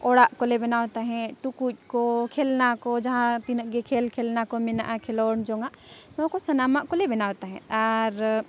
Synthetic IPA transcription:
oɽaʔkolebenaːwt̪aɦɛ̃ʈukut̚kokʰeːlnakod͡ʒɐɦãt̪inəɡekʰeːlkʰelnakomɪnaʔakʰelond͡ʒoŋɡanõkosɐnaːmaʔkolebenaːwt̪aɦɛ̰̃aɾ

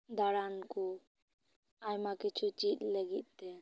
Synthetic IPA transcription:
d̪aɽanku | ajmakɛt͡ʃʰut͡ʃit̪ləɡit̪̚ˀt̪ɛ

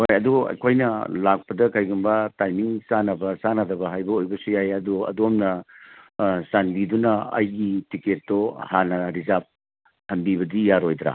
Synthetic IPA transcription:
hojɐduɐ̰jkʰojnɐlak̚pɐdɐkʰajɡunbɐtajmiŋsanɐbɐsanɐdɐbɐɦajbɐojbɐsujajɐduɐ̰domnɐ | sanbidunɐɐ̰jɡitiket̚ːohanɐɾizap̚ | hɐmbibɐdijaɾojdɾa̰

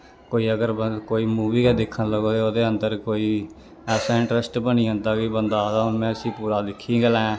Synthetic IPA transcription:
koːiːəɡəɾkoːiːmuːʋiːkɛːd̪ɪkʰːənləɡoːd̪eːoːd̪eːənd̪əɾkoːiː | ɛːsãːɪɳʈɾəsʈbənĩːɦə̃nd̪aːkɪbənd̪aːd̪amɛ̃ːəsĩːpuːɾaːd̪ɪkʰːĩːɡəlɛ̃ː

